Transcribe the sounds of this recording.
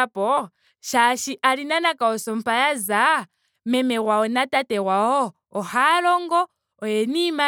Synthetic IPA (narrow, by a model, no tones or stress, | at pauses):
apɔ | ʃaʃiʔalinanakaosɔmpajaza | mɛmerwaonatateɣwaɔː | halɔŋɡɔː | jenima